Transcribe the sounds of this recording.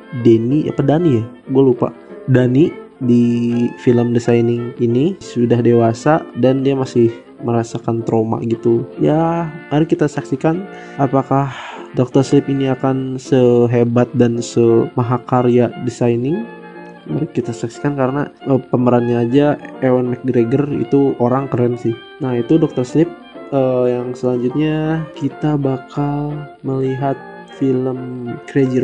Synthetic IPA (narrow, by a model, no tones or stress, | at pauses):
deniʔa̰padanijaɡualupa̰ʔdanidifiləmdisajnɪŋinisudahdewasadandiamasɪh | məɾasakant̪ɾoma̰ʔɡit̪ujamaɾɪkːit̪asaksikan | apakahdok̚t̪ərslɪpiniakansəɦebat̪̚dansəmaɦakaɾiadisajnɪŋ | maɾɪkːit̪asaksi̥kankaɾəna̰əpəməɾanaad͡ʒaewanmɛk̚ɡɾeɡərḭt̪uoɾaŋkəɾɛnsɪh | nahit̪udɔk̚t̪ərslɪp̚əjaŋsəlaɲd͡ʒut̪̚ɲakit̪abakalməliɦat̪̚ | filəmkɾed͡ʒə